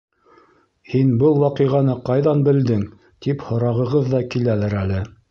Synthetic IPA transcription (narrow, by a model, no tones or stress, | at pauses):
hinbɤlˠwɑqɤ̆jʁɑnɤqɑjðɑnbɘ̆ld̪ɘŋ | t̪iphŏɾɑʁɤ̆ʁɤðːɑkilælɘɾælɘ